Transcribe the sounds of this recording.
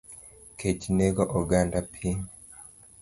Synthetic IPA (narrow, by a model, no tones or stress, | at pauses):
kʰecineɡoʔoɡandapʰin